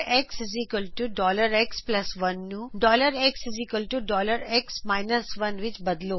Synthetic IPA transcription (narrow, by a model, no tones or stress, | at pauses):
ekszikəlʈuɖɔːləɾeksplɐsʋɐnːuɖɔːləɾekszikəlʈuɖɔːləɾeksmaɪnəsʋɐnʋɪt͡ʃbɐd̪loː